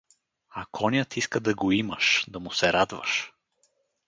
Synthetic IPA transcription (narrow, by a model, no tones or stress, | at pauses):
ɐkʰɔnʲət̪ʰiskəd̪ɐɡoiməʃd̪ɐmʊsɛɾad̪və̰ʃ